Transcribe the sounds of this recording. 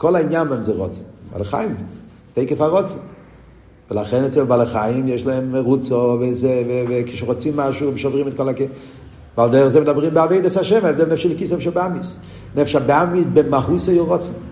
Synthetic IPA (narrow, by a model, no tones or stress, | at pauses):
kɔlainjanbɛmzɛʁɔ̰t͡sn̩ba̰lˠəχa̰jɪm | tejkəfaʁɔt͡sn̩ | vəlaχɛnɛtzɛbbalˠəχajɪmjɛʃlaɛmːɛʁut͡sɔvezɛvevɪkɪ̥ʃɛʁɔt͡simːaʃumʃɔvʁimɛt̚kɔlak | valˠdɛʁəχzɛmɪdabʁimbɪaveɪdashaʃɛmaɛvdɛnɛfʃɛlɪkisnɛfʃabamis | nɛfʃabamisbɪmaɦusɔjoʁɔt͡sn̩